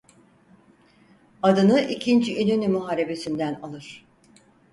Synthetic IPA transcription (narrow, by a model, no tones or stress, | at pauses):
ad̪ɯnɯʔicʰind͡ʒiynynymuɦaɾe̞be̞sind̪ænalˠɯɾ̥